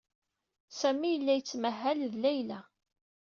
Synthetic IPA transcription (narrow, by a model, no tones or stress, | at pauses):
sæmijəlːæjət͡sːməɦːælðlæjlæ